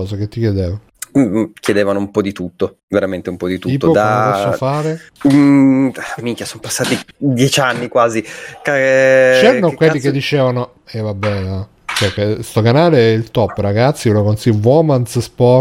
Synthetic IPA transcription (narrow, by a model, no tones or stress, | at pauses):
ɔːzaket̪ːikjed̪eːva | kjed̪eːvanoumpɔd̪it̪ut̪ːo | veɾament̪eumpɔd̪it̪uiːp̪ːookd̪apɔsːofaːɾe | mikjasompasːaːt̪id̪jɛt͡ʃanːikwaːzikat͡ʃɛːɾanokwelːiked̪ːit͡ʃeːvano | ɛvabːɛa | t͡ʃɛkest̪okanaːleɛilt̪ɔpːɾaɡat̪sːiulakonsiwɔmansspɔ